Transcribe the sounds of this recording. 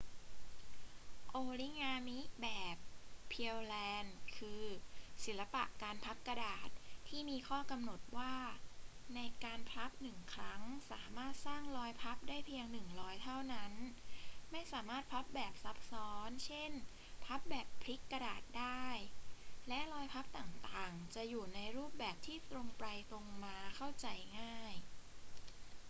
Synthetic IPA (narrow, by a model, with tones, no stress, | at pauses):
ʔoː˧ɾi˦˥˩ŋaː˧mi˦˥bɛː˨˩pʰːi˧əwlɛː˧nkʰɯː˧si˨˩˦la˧pa̰˨˩ʔkaː˧npʰa˦˥kːa˧daː˨˩t̪̚t̪ʰːiː˥˩miː˧kʰɔː˥˩ka˧mno˨˩t̪̚waː˥˩na˧jkaː˧npʰa˦˥p̚nɯ˨˩ŋkʰɾa˦˥ŋsaː˩˦maː˥˩t̪̚saː˥˩ŋlɔː˧jpʰa˦˥p̚daː˥˩jpʰi˧əŋnɯ˨˩ŋɾɔː˦˥jt̪ʰa˥˩wna˦˥n | ma˥˩jsaː˩˦maː˥˩t̪̚pʰa˦˥p̚bɛː˨˩p̚sa˦˥p̚sɔː˦˥nt͡ɕʰe˥˩n | pʰa˦˥p̚bɛː˨˩pʰːli˦˥kːa˧daː˨˩t̪̚daː˥˩jlɛ˦˥ʔɾɔː˧˥jpʰa˦˥p̚t̪aː˨˩ŋt̪aː˨˩ŋt͡ɕa˨˩juː˨˩na˧jɾuː˥˩p̚bɛː˨˩p̚t̪ʰiː˥˩t̪ɾo˧ŋpɾa˧jt̪o˧ŋmaː˧kʰa˥˩wt͡ɕa˧jŋaː˥˩j